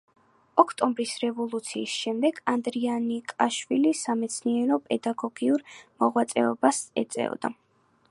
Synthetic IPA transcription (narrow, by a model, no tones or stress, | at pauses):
ɔkʰt̪ʼɔmbɾisɾɛvɔlˠut̪sʰiːsʃɛmd̪ɛɡand̪ɾianikʼaʃwilisamɛt̪sʰniɛɾɔpʼɛd̪aɡɔɡiuɾmɔʁwat̪sʼɛ̰ɔbasɛt̪sʼɛ̰ɔ̰d̪a̰